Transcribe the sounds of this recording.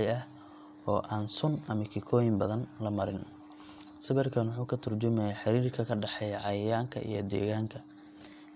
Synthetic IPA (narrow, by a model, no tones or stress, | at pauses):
ɐh | ɔːʔaːnsʊnɐmɐkʰɪkʰɔːjɪmbɐðɐnlɐmɐɾɪn | sɐβɛrkʰɐnwʊħuːkʰɐt̪ʰɐrd͡ʒʊmɛjɛħɑɾiːrkʰɐkʰɐɖɑħɛjʕɑjɪjaːŋkʰɐ̰ʔḭjɞ̰d̪ɛ̰ːɣaːŋkʰɐ